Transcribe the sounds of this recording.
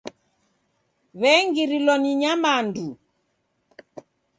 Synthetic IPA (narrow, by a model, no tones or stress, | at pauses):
βɛŋɡiɾilɔniɲamandu